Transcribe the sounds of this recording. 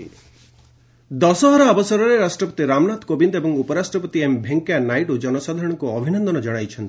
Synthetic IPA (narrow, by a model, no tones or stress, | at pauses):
d̪ɔsɔɦɔɾɔabɔsɔɾɔɾeɾasʈɾɔpɔ̥t̪iɾamnat̪kobind̪ebɔŋupɔɾasʈɾɔpɔt̪iembʱeŋkjanajʈud͡ʒɔnɔsad̪ʱaɾɔɽ̃ɔŋkuɔbʱinɔnd̪ɔnɔd͡ʒɔɽ̃ajt͡ʃʰɔnt̪i̥